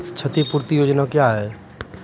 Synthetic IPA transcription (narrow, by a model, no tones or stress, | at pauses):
t͡ʃʰət̪ipuɾt̪ijod͡ʒnakjaɦɛ